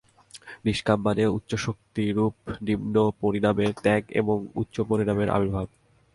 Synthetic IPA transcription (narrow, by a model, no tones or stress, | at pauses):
ɾiʃkampaneut̪ːɕoʃok̚t̪iɾup̚nibnopoɾinameɾt̪ɛɡḛboŋṵtːɕopoɾinameɾʔa̰bʱiɾbʱab̚